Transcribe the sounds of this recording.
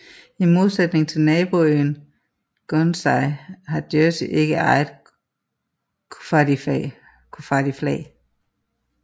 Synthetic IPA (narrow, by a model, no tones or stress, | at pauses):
imo̝ð̞ˠsed̥ne̝ŋt͡sʰe̝lnɛːb̥oøn | ɡ̥onsɑɪɦɑ̈d̥jøsiʔe̝ɡ̥əʔɑ̈ɪð̩ˠ | kʰfɑdi | kʰufɑd̥iflɛ̰ɪ